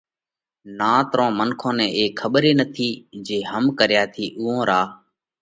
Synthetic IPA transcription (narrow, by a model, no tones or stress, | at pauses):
nãːt̪ɾõːmənkʰõːnɛ̃ːʔeːkʰːəɓɾeːnət̪ʰiːd͡ʒeːɦəmkəɾɪjaːt̪ʰiːʔuːõːɾaː